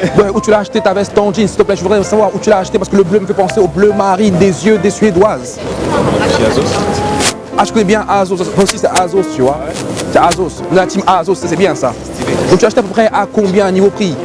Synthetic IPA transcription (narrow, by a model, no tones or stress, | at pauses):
ɛut̪ylaːʃt̪et̪avɛst̪ɑ̃d̪insi̥t̪əplɛʒəvud̪ʁɛsavwaʁut̪ylaːʃt̪epasəkələbløməfɛpɑ̃seoblømaʁind̪ezjød̪esɥed̪waz | iao | aʒə̥kɔnɛbjɛ̃ʔazosavaosisɛazost̪yvwasɛazosɔ̃nat̪imazosːas̬ɛbjɛ̃sa̰ | d̪ɔ̃kt̪ylaʃt̪eapøpχɛʔakɔ̃bjɛ̃nivopχi